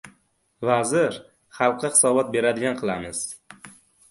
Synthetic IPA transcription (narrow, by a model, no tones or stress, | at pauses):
vazɪɾ | χɑlˠqʰːɨχɪ̥sɒbɒt̪̚be̞ɾad̪ɪɡʲanqʰɨlˠamɪz̥